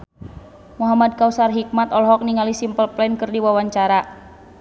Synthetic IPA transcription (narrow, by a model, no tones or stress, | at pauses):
muɦamad̚kausarɦik̚mat̪ɔlɦɔk̚niŋalisimpəlplɛnkɨrdiwawaɲt͡ʃaɾa